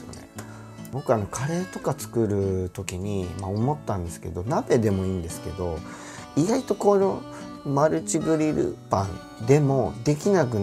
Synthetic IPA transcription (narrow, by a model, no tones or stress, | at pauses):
ne | bo̞kɯ̟ano̞kʰaɾe̞ːt̪o̞kat͡sɨ̥kɯ̟ɾɯ̟t̪o̞kʲiɲ̟imao̞mo̞t̪ːãnd̪e̞sɨ̥ke̞d̪o̞nabe̞d̪e̞mo̞iːnd̪e̞sɨ̥ke̞d̪o̞ | iɡait̪o̞kono | maɾɯ̟t͡ɕiɡɯ̟ɾʲiɾɯ̰pãn | d̪e̞mo̞d̪e̞kʲinak̬ɯ̟